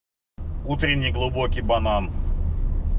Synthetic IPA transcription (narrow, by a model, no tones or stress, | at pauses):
ut̪ɾʲɪnʲːɪjɡlˠʊbokʲɪjbɐnan